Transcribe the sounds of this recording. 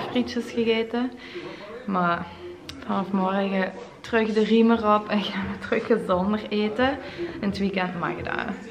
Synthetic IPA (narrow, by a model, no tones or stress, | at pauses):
frit͡ʃəsxəɣeːtə | ma | fɑnɔfmɔrɣətrøxdərimərɔpɛnxaːnʋətrøxəzɔndəreːtəəntʋikɛntma̰ɣəda̰ː